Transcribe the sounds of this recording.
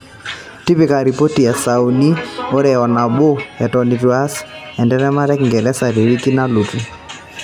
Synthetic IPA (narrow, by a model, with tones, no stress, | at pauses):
ti˦pi˨ka˨ɾi˨po˦ti˨ja˨sa˨u˨ni˦o˦ɾɛ˨ɔ˨na˨ɓo˦ɛ˨tɔ˨ni˨twa˦sɛ˨ndɛ˦ɾɛ˦ma˦ɾɛ˦kŋɡɛ˨lɛ˦sa˨ɾe˨ɾi˦ki˦na˦lu˨ti˨